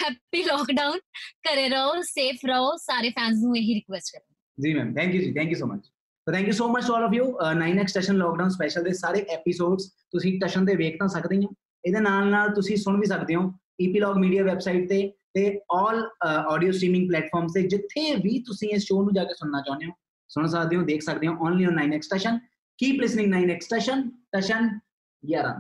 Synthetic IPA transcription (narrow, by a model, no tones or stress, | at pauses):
hɛːpiːlɔːkɖaːʊnkəɾeːɾəoːseːpʰɾəoːsaːɾeːpʰɛ̃ːns̬nũːeːɦiɾɪkʋɛsʈkəɾd̪ẽ | d͡ʒiːmɛ̰̃ːmt̪ʰɛ̃ːŋkjuːd͡ʒiːt̪ʰɛ̃ːŋkjuːsoːmə̰t͡ʃ | soːt̪ʰɛ̃ːŋkjuːsoːmət͡ʃʈuɔːlɔːfjuːnaːinɛksʈəʃənlɔːkɖaʊːnspɛːʃəlt̪eːsaːɾeːʔɛːpisoːɖst̪ʊsĩʈəʃənt̪̬eːʋeːkʰt̪ãːsəkd̪eːɦãː | ɪd̪eːnaːlnaːlt̪ʊsĩːsʊɳ̃ʋiːs̬əkd̪eːɦõː | iːpiːlɔːɡmiːɖijaːʋɛːbsaɪʈ̚t̪eːt̪eːɔːlɔːɖijoːsʈɾiːmɪ̃ŋɡ̚plɛːʈfʰɔːɾmst̪eːd͡ʒɪt̪ʰːeːʋiːt̪ʊsĩːɪsʃoːnũːd͡ʒaːkeːsʊɽnaːt͡ʃãːnd̪eːõː | sʊɽ̃səkd̪eːõːd̪eːkʰsəkd̪eːɦõːʔɔ̃ːnliːɔ̃ːnːaːinɛːksʈəʃən | kiːplɪsnɪ̃ŋnaːinɛksʈəʃənʈəʃən | jaːɾa̰ːn